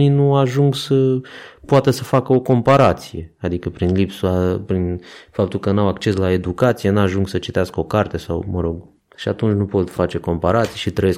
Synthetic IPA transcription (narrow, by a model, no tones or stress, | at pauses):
ninuaʒuŋɡsəpoat̪əsəfakəo̞ko̞mpaɾat̪sije̞ad̪ikəpɾinlipsuapɾinfapt̪ulkənawakt͡ʃe̞slae̞d̪ukat̪sijenuaʒuŋɡsət͡ʃi̥t̪easkəo̞kart̪e̞sa̰wməɾoɡ | ʃiat̪unt͡ʃʲnupo̞t̪fat͡ʃe̞ko̞mpaɾat̪sijeʃit̪ɾəjes